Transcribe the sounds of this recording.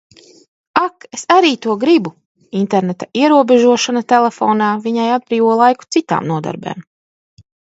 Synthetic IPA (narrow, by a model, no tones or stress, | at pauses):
akesaɾiːt̪uɔɡɾibu | int̪eɾnet̪aiɛɾuɔbeʒuɔʃanat̪elefoːnaːviɲajad̪̚bɾiːvuɔlˠajku̥t̪sit̪a̰ːmnuɔd̪a̰ɾbɛ̰ːm